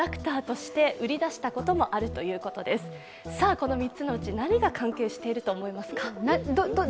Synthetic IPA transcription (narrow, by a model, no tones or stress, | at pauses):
akɯ̟̥t̪aːt̪o̞ɕi̥t̪e̞ʔɯ̟ɾʲid̪aɕi̥t̪ako̞t̪o̞mo̞ʔaɾɯ̟t̪o̞jɯ̟ːko̞t̪o̞d̪e̞sɨ̥ | saːko̞no̞mʲitt͡sɨno̞ɯ̟t͡ɕinaɲ̟iɡakʰãŋke̞ːɕi̥t̪e̞iɾɯ̟t̪o̞ːmo̞imasɨ̥kanad̪oo